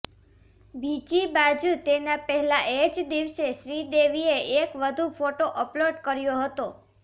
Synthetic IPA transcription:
bid͡ʒibad͡ʒut̪enapəɦɛlaʔed͡ʒd̪iʋseʃɾid̪eʋieekʋəd̪ʱufoʈoʔəploɖkəɾjoɦət̪o

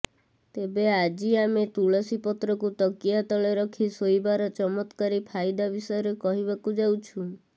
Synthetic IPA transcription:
t̪ebead͡ʒiamet̪uɭɔsipɔt̪ɾɔkut̪ɔkiat̪ɔleɾɔkʰisojibaɾɔt͡ʃɔmɔt̪kaɾipʰajd̪abisɔjɔɾekɔɦibakud͡ʒawt͡ʃʰu

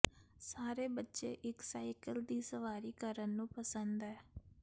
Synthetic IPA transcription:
saːɾebɐtːʃeʔɪksaːɪkəld̪iːsəʋaːɾikəɾənːũːpɐsə̃nd̪ɛː

